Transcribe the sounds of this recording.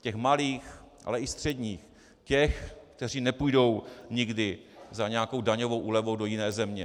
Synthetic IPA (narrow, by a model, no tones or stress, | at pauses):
cɛxmaliːx | ʔa̰lɛʔɪst̪r̝̥ɛdɲiːx | cɛxkt̪ɛr̝iːnɛpujdo̞wɲɪɡdɪ | zaɲɛjako̞wdaɲovo̞wʔuːlɛvowdo̞jɪnɛːzɛmɲɛ